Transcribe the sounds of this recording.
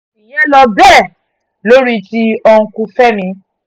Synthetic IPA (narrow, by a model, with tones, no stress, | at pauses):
i˨jɛ̃˦lɔ˧bɛ˦˨ | lo˦ɾi˦ti˦ɔ̃˧ku˧fɛ˦mĩ˧˦